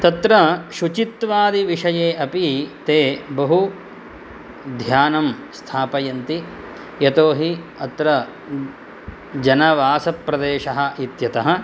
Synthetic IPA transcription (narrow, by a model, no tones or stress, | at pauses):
t̪ɐt̪ɾɐʃut͡ʃit̪ʋaːd̪iʋiʂɐjeːʔɐpit̪eːbɐɦu | d̪ʱjaːnɐmst̪ʰaːpɐjɐnt̪i | jɐt̪oːɦi | ɐt̪ɾɐ | d͡ʒɐnɐʋaːsɐpːɾɐd̪eːʂɐɦɐ̆it̪jɐt̪ɐɦɐ̆